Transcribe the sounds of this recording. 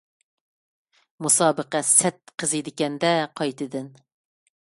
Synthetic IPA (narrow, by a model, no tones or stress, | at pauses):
musɑːbəqɑsɛt̪̚qʰəzɨd̪ɪkʲɛnd̪ɛqʰɑjt̪ɨd̪ɪn